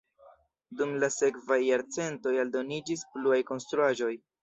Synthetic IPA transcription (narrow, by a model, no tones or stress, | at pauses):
dumlase̞kvajːaɾt͡se̞nto̞jaldo̞nid͡ʒispluajko̞nstɾuaʒo̞j